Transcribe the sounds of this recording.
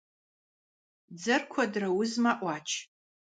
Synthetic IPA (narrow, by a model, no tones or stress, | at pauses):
d͡zɐrkʷʰadrawʊzmaʔʼʷat͡ʃʰ